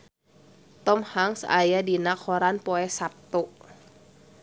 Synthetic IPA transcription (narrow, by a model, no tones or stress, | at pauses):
t̪ɔmhaŋsa̰jadinakhɔɾanpɔɛsap̚t̪ɔ